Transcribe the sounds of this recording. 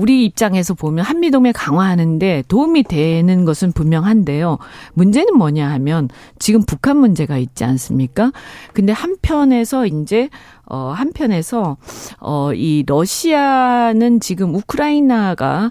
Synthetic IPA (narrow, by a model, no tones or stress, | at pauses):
uɾiːp̚t͡ɕ͈aŋe̞sʰʌpomjʌnhamːidome̞kaŋwaɦanɯnde̞toumidwe̞nɯnɡʌsʰɯnpummjʌŋɦande̞jomund͡ʑe̞nɯnmʌɲaɦamjʌn | t͡ɕiɡɯmpukʰanmund͡ʑe̞ɡait̚t͡ɕ͈ians͈ɯmɲik͈akɯnde̞hampʰjʌne̞sʰʌind͡ʑe̞ | ʌ̰hampʰjʌne̞sʰʌʌiɾʌɕʰianɯnt͡ɕiɡɯmukʰɯɾainaɡa̰